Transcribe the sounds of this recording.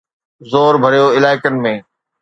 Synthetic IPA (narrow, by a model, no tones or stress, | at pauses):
zoːɾbʱəɾijoːɪlaːɪkənɪ̆mẽː